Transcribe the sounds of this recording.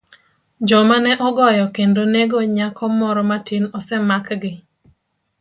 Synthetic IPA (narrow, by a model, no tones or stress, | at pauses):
d͡ʒɔmanɛʔɔɡɔjɔkendoneɡoɲakɔmɔɾɔmatɪnɔsɛmakɡɪ